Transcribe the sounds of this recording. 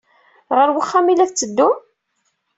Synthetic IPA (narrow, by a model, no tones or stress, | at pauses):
ʁəɾwəχːæmilæθt͡sːəd̪ːʊm